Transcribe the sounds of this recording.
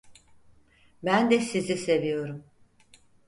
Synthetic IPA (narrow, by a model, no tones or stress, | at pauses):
bænd̪ɛsizise̞vijo̞ɾum